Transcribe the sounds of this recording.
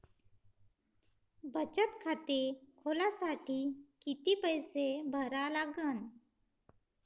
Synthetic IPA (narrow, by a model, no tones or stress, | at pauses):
bʱət͡ʃət̪kʰat̪ekʰoːlasaʈʰikit̪ipəjsebʱəɾalaɡən